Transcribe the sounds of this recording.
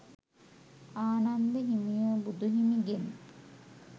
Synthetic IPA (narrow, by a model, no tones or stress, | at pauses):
aːnand̪eɦimijubud̪uɦimiɡen